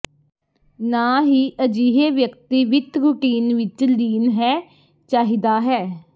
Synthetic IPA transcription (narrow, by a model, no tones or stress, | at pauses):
naːɦiːʔəd͡ʒiːɦeːʋjəkt̪iːʋɪt̪ɾʊʈiːnʋɪt͡ʃliːnɦɛː | t͡ʃaːɦiːd̪aːɦɛː